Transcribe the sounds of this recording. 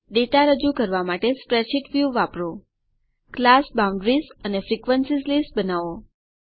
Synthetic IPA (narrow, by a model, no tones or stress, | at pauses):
ɖeʈaɾəd͡ʒukəɾʋamaʈespɾet͡ʃiʈʋjuʋapɾo | klasbaũɳɖɾizənefɾikʋənsizlisbənaʋo